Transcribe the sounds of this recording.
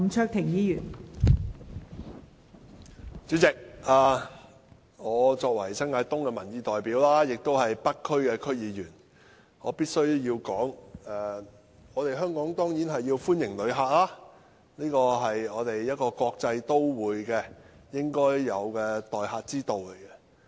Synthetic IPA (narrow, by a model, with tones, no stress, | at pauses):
ŋt͡ʃʰœː˥k̚t̪ʰɪ˨˩ŋjiː˨˧jyː˨˩n | t͡syː˨˥t͡sɪ˨k̚aː˨˧ | ŋɔː˨˧t͡sɔː˧k̚wɐ˨˩jsɐ˥ŋaː˧jt̪ʊ˥ŋkɛ˧mɐ˨˩njiː˨˧t̪ɔː˨jpiː˨˥wlaː˥jɪ˨k̚t̪o˥whɐ˨jpɐ˥t̚kʰːɵ˥ɥkɛː˧kʰɵ˥ɥjiː˨˧jyː˨˩n | ŋɔː˨˧piː˥t̚sɵ˥ɥjiː˧wkɔː˨˥ŋɛː˨˩ | ŋɔː˨˧t̪e˨˩jɦœː˥ŋkɔː˨˥ŋt̪ɔː˥ŋjiː˨˥nɦɐ˨jːiː˧wfuː˥njɪ˨˩ŋlɵ˨˧ɥɦaː˧k̚laː˥ | niː˥kɔː˧ɦɐ˨jɔː˨˧t̪e˨jjɐ˥t̚kɔː˧kɔː˧k̚t͡sɐ˧jt̪o˥wwuː˨˧jkɛː˧jɪ˥ŋkɔː˥jːɐ˨˧wkɛː˧t̪ɔː˨jɦaː˧t̚t͡siː˥t̪o˨wle˨˩jkɛ˧